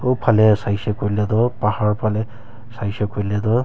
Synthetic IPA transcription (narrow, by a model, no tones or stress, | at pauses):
opʰalɛsajsɛkoɹilɛd̪ɔpahaɹpʰalɛ | sajsɔkoɹlɛdɔ